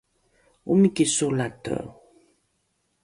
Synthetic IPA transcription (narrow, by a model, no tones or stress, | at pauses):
umikisulatə̰